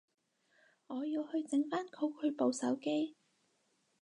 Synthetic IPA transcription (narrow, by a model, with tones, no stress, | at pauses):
ŋɔː˨˧jiː˧whɵ˧ɥt͡sɪ˨˥ŋfaː˥nkʰo˨˧˥wkʰɵ˨˧ɥpo˨˧wsɐ̰˨˥wke˥j